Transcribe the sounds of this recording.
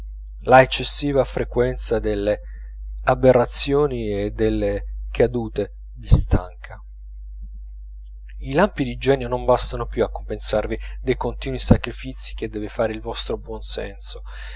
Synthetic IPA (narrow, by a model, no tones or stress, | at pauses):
laet͡ʃːesːiːvafɾekwɛnt̪sad̪elːe | aberːat̪sːjoːnied̪ːelːekʰad̪uːt̪e | d̪ist̪ʰa̰ŋkʰa | ilampid̪id͡ʒɛːnjonombast̪anopjuakːompensarvid̪ejkont̪iːnwisakɾifit̪sːi̥k̟ed̪ːɛːvefaːɾeilvɔst̪ɾobwɔnsɛ̰nso